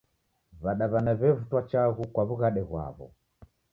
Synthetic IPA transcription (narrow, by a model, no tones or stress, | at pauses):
βaɗaβanaβɛvutwat͡ʃaɣukwaβuɣaɗɛɣwa̰βɔ̰